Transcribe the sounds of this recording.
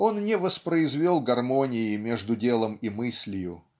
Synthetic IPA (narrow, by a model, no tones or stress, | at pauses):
o̞nnʲɪvəspɾəɪzvʲolˠɡɐrmonʲɪjɪmʲeʐd̪ʊdʲe̞lˠəmimɨsʲlʲɪjʊ